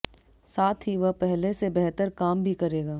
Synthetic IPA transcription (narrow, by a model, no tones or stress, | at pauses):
saːt̪ʰɦiʋɐɦpɛɦlesebɛɦt̪əɾkaːmbʱikɐɾeːɡaː